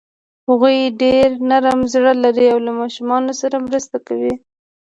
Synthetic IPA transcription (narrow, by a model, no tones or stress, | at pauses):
haɣujɖeɾnaɾamzɽalaɾiawlamɑʃumɑnosaɾamɾəst̪akawi